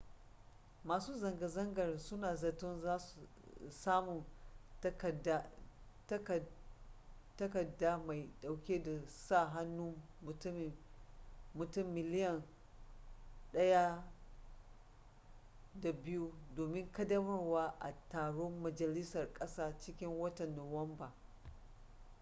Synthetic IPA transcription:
maː˨suː˦zɐ˨ŋɡɐ˨zɐ˦ŋɡɐ˨rsʊ˦naː˨zɐ˨tɔ˦nzaː˦su˨ | saː˦mʊ˨n˦˨ | dtk | tɐ˦kɐ˨da˦ma˨jɗa˨wkʲeː˦da˨saː˦˨ɦa˦nːuː˦ | ʊ˨tm˨ | mʊ˨tʊ˦˨mːɪ˨lɪ˦jɐ˨n | ɗɐ˦ja˦ | da˨bɪ˦ju˦doː˨mɪ˦ŋkɐ˦dɐ˦mɐ˦rwaː˦ʔa˨taː˨ɽo˦mmɐ˨d͡ʒɐ˨lɪ˦sɐ˨rkʼɐ˦saː˦t͡ʃɪ˦kʲɪ˦ŋwɐ˦tɐ˨nːo˨wɐ˦mba˨

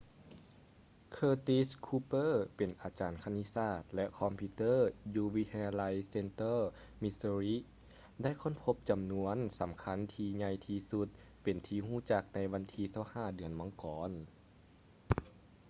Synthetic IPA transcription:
kʰɤː˧t̪i˧˥skʰuː˧pɤː˥˨pe˨˩nʔaː˨˩t͡ɕaː˨˩nkʰa˧ni˧˥saː˧˩t̪̚lɛ˧˥ʔkʰɔ˧˥mpʰi˧t̪ɤː˥˨juː˧ʋi˧˦˥t̪ʰa˧jaː˧la˧˥jse˧nt̪ɤː˥˨ | mi˧sə˧ɾi˧˥ | da˥˨jkʰo˧˥˨npʰo˧˥p̚t͡ɕa˨˩mnu˧ənsa˨˦mkʰa˧˥˨nt̪ʰiː˧ɲa˧jt̪ʰiː˧su˧˦t̪̚ | pe˨˩nt̪ʰiː˧huː˧˥˩t͡ɕa˧˥k̚na˧˥jʋa˧˥nt̪ʰiː˧sa˧˩whaː˧˩dɯ˨˩ənmɔ˧˩˦ŋkɔː˨˦n

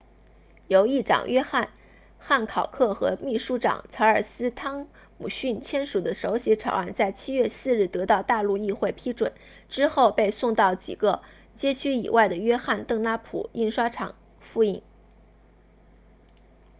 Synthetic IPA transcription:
jo˧˥ʊi˥˩ʈ͡ʂɑ̰˨˩ŋjɥɛ˥xa˥˧n | xa˥˩nkʰɑ˨˩ʊkʰɤ˥˩xɤ̰˧˥mi˥˩ʂu˥ʈ͡ʂɑ̰˨˩ŋt͡sʰa˧˥ə˞˨˩sɹ̩˥t̪ʰɑ˥ŋ | mṵ˨˩ɕy˥˩nt͡ɕʰjɛ˥nʂu˨˩d̪ə˦ʂo˧˥ʊɕɛ˧˥ʈ͡ʂʰɑ˨˩ʊa˥˩˧nt͡sa˥˩ɪt͡ɕʰi˥ɥɛ˥˧sɹ̩˥˧ɻ̩˥˩t̪ɤ˧˥t̪ɑ˥˧ʊt̪a˥˧lu˥˧i˥˧xwe˥˩ɪpʰi˥ʈ͡ʂwə̰˨˩˦n | ʈ͡ʂɻ̩˥xo˥˧ʊpe˥˧ɪsʊ˥˧ŋt̪ɑ˥˩ʊt͡ɕḭ˨˩ɡə˦ | t͡ɕjɛ˥t͡ɕʰy˥ḭ˨˩wʔa˥˩ɪd̪ə˩ɥɛ˥xa˥˧nt̪ɤ˥˩ŋna˥pʰṵ˨˩i˥˩nʂwa˥ʈ͡ʂʰɑ̰˨˩ŋ | fu˥˧i˥˩ŋ

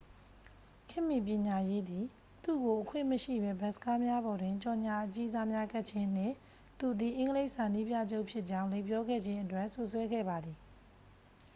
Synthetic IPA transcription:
kʰɪ̃˦˨mːi˨p̬jɪ̃˨ɲa˨je˦d̪i˨ | t̪ṵ˦˨ɡo˨ʔəkʰwɪ̰̃˦˨məʃḭ˦˨bɛ˦bɛ˨˦ʔsə̥ka˦mja˦bɔ˨dwɪ̃˨ɲt͡ɕɔ˨ɲa˨ʔət͡ɕi˦za˦mja˦ɡɛ˦ʔ̚t͡ɕʰɪ̃˦n̥ɪ̰̃˦˨ | t̪u˨d̪i˨ʔɪ̃˨˦ŋɡəle˦ɪʔsa˨ni˦pja̰˦˨d͡ʑo˦ʊʔpʰjɪ˦ʔt͡ɕã˦ʊ̃lẽ˨pjɔ˦ɡɛ̰˦˨d͡ʑɪ̃˦ʔətwɛ˦˨ʔsʊ˦ʔswɛ˦ɡɛ̰˦˨ba˨d̪ði˨

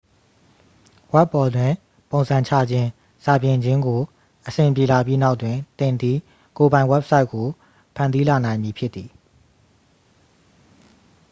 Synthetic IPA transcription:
wɛ˦pːɔ˨dwɪ̃˨ | põ˨ʊ̃nz̥ʰã˨ɲt͡ɕʰa̰˦˨d͡ʑɪ̃˦ | sa˨bjɪ̃˨ɲd͡ʑɪ̃˦ŋɡo˨ | ʔəsɪ̃˨mpje˨la˨p̬ji˦na˦ʊʔtwɪ̃˨t̪ɪ̃˨nd̪i˦ | ko˨bã˨ɪ̃wɛ˦p̚sa˦ɪʔkːo˨ | pʰã̰˦˨ndi˦la˨nã˨ɪ̃mji˨pʰjɪ˦t̪t̪ːði˨

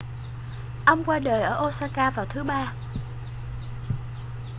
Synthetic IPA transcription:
ʔə˧wŋ͡mkwaː˧ɗəː˨˩jʔəː˧˩ʔo˧saː˧kaː˧vaː˨˩wt̪ʰɨ˨˦ɓaː˧

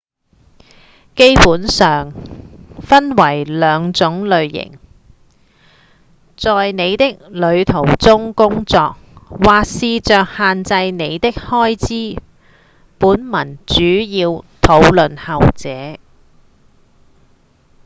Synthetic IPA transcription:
ke˥jpuː˨˥nsœː˨ŋ | fɐ˥nwɐ˨˩jlœː˨˧ŋt͡sʊ˨˥ŋlɵ˨˧ɥjɪ̰˨˩ŋ | t͡sɔː˨jne˨˧jt̪ɪ˥k̚lɵ˨˧ɥt̪ʰo˨˩wt͡sʊ˥ŋkʊ˥ŋt͡sɔː˧k̚waː˨k̚siː˨˧t͡ʃœː˨k̚haː˨nt͡sɐ˧jne˨˧jt̪ɪ˥k̚hɔː˥jt͡siː˥ | puː˨˥nmɐ˨˩nt͡ʃyː˨˥jiː˧wt̪ʰo˨˥wlɵ˨nhɐ˨wt͡sɛː˨˥

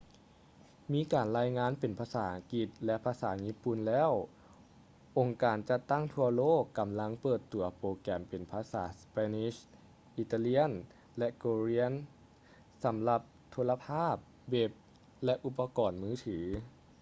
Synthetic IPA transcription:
miː˧˥˨kaː˨˩nɾaː˧jŋaː˧˥˨npe˨˩npʰaː˧saː˩˦ʔa˨˧ŋki˧˩t̪̚lɛ˧˥pʰaː˧saː˩˦ɲiː˦˥pu˨˩nlɛː˦˥˩w | ʔo˨˩ŋkaː˨˩nt͡ɕa˧˩t̪ːa˥˩ŋt̪ʰu˧ɐloː˥˩kːa˨˩mla˧˥ŋpɤː˨˩t̪ːu˨˩ɐpoː˧kɛː˨˩mpe˨˩npʰaː˧sa̰ː˩˦spɛː˧ni˧˥ɕ | ʔi˧˩t̪aː˧li˧˥ən | lɛ˧˥ʔkoː˧ɾi˧˥ən | sa˩˦mla˧p̚t̪ʰoː˧˥la˧pʰaː˥˩p̚ | we˧˥p̚ | lɛ˧˥ʔu˧pːa˧kɔː˨nmɯː˦˥t̪ʰɯː˩˦

